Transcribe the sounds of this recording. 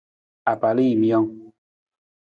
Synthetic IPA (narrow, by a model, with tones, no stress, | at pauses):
a˨pa˨li˦˨mjɔ˦ŋ